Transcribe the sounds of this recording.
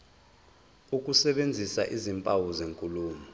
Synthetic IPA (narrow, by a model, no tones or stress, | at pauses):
uk̬ʼusɛɓend͡zʱisaʔizimpʼawuzeŋkʼuluːmu